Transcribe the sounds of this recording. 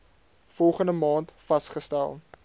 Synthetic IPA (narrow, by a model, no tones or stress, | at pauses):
fɔlˠχəndəmɑːntfɐstχəstælˠ